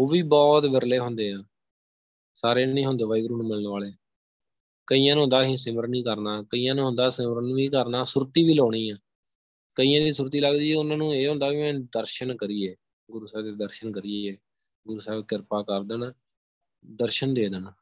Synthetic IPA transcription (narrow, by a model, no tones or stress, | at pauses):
oːʋiːbɔːt̪ʋɪɾleːɦõnd̪eːãː | saːɾeːnĩːɦõːnd̪eːʋaːiːɡɾuːnũːmɪləɳʋaːleː | kəiːjãːnũːɦʊ̃ːnd̪aːɦĩːsɪməɾnĩːkəɾnaːkəiːjãːnũːɦʊ̃nd̪aːsɪməɾnʋiːkəɾnaːsʊɾt̪iːʋiːloːɽiːãː | kəiːãːd̪iːsʊɾt̪iːləɡd̪iːɛːʊnãːnũːeːɦõːnd̪aːʋiːmɛ̃ːd̪əɾʃənkəɾiːeː | ɡʊɾuːsɛːbt̪ed̪əɾʃənkəɾieːeː | ɡʊɾuːsɛːbkɪɾpaːkəɾd̪ən | d̪əɾʃənd̪eːd̪ən